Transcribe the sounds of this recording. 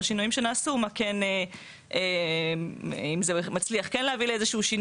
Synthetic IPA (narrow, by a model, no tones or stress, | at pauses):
ʃinujimʃenaːsumakene | e | imzemat͡sliaχkenleavileezeʃuʃin